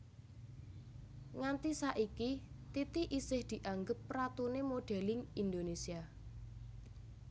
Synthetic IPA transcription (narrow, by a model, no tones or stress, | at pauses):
ŋant̪isaʔikit̪it̪iʔisɪhd̪̥i̤ʔaŋɡəpːɾat̪unemoɖ̥ɛ̤lɪŋind̪onesia